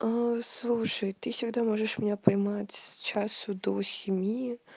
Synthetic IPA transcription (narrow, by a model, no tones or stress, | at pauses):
aslˠuʂəjt̪ɨfsʲɪɡd̪amoʐəʂmʲɪnʲapɐjmatʲst͡ɕasʊd̪osʲɪmʲji